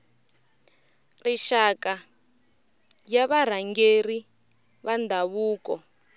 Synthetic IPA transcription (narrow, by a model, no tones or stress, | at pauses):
riʃaka | jaβaɾ̤aŋɡeri | βandʱaβuːkɔ